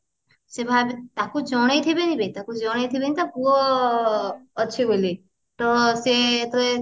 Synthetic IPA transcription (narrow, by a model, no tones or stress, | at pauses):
sebʱabt̪akud͡ʒɔɽ̃ejt̪ʰibenibet̪akud͡ʒɔɽ̃ejt̪ʰibenit̪akuɔ | ʃʰiboli | t̪ɔset̪ɔe